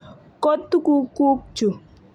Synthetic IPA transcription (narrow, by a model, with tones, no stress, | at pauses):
kɔ˦tːu˦ku˦ku˦k̚t͡ʃu˨